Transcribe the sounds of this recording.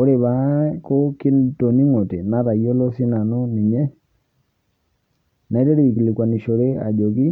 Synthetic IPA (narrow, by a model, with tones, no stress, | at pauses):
o˦ɾe˨βa˨˦ko˦ki˦nto˨ni˦ŋo˨te˨na˦ɾa˨jo˦lɔ˦si˦na˨nɔ˦ni˨ɲɛ˦ | na˨i˦tɛ˦ɾe˦˨i˨ki˨li˨kwa˨ni˨ʃo˨ɾe˦a̰˨d͡ʒo˨ki˦